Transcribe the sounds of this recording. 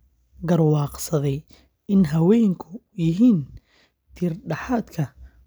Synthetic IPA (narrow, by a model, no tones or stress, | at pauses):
ɡɐrwɑːqsɐðɛj | ɪnɦɐwɛːjŋkʰʊ | jɪɦiːn | t̪ʰiːrɖɑħaːd̪kʰɐ